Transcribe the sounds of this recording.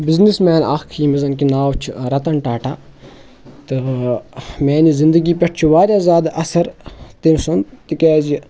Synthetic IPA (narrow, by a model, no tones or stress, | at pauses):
biznismɛːnakʰiːmizɐnkinaːwt͡ʃʰɾɐt̪ɐnʈaːʈʰaː | t̪ɨ | meːnizind̪əɡiːpʲɐʈʰt͡ʃʰuʋaːɾʲjaːzʲaːd̪ɐsɐɾt̪imsɐnt̪ikeːd͡ʒi